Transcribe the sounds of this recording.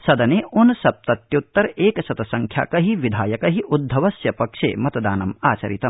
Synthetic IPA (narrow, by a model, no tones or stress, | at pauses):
sɐd̪ɐneːʔunsɐp̚t̪ɐt̪jut̪ːɐɾeːkɐsɐt̪ɐsɐŋkʰja̰ːkɐɦiʋid̪ʱaːjɐkɐɦiʔud̪ʱːɐʋɐsjɐpɐkʂḛːmɐt̪ɐd̪aːnɐmaːt͡ʃɐ̰ɾit̪ɐm